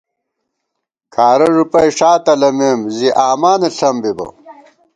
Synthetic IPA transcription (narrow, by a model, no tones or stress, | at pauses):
kʰaːɾɐʐupɐjʂaːt̪ɐlɐmemziʔaːmaːnɐɬɐmbibɐ̰